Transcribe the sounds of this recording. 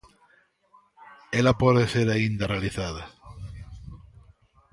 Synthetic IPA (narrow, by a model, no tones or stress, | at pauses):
elapweðeseɾaind̪arealiθaða